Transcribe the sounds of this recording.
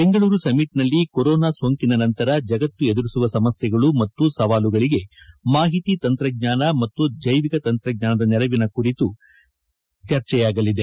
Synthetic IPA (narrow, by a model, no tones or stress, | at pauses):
b̥e̞ŋɡɐɭuːɾusɐmiʈnɐlːikoɾɔːnaːsoːŋkinɐnɐnt̪ɐɾɐd͡ʒɐɡɐt̪ːue̞d̪uɾisuʋɐsɐmɐsjɐɡɐɭumɐt̪ːusɐʋaːluɡɐɭiɡe̞maːɦit̪it̪ɐnt̪ɾɐɡ̚ɲaːnɐmɐt̪ːud͡ʒɐjʋikɐt̪ɐnt̪ɾɐɡ̚ɲaːnɐd̪ɐnɛlɐʋinɐkuɾit̪u | t͡ʃɐɾt͡ʃɛjaːɡɐlːid̪e